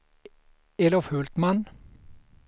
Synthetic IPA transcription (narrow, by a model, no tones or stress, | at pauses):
elɔfhʉːlt̪mɑn